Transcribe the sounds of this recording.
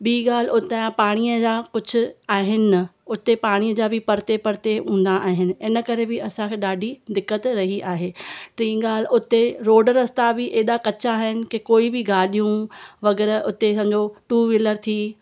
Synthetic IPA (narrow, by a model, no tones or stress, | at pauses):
ɓiːɠaːl̤ʊt̪apaːɽ̃ijəd͡ʑaːkʊd͡ʑʱʊ̆aːɦɪnɪnɐʊt̪epaːɽ̃iːəd͡ʑaːbɪpɐɾt̪epɐɾt̪eũːn̆d̪aʔaːɦɪnɪ̆ɪnəkɐɾebɪɐsãkʰeːɗaːɖʱid̪ɪkːət̪ɾɐɦiʔaːɦeːʈɾĩːɠaːlʊt̪eɾoːɖɾɐst̪abɪʔeːɗakɐt͡ɕaːɦɪnɪ̆kekoːibɪɡaːɗijũʋɐɡɛːɾʊt̪esɐ̃md͡ʑoʈuːʋɪləɾt̪ʰiː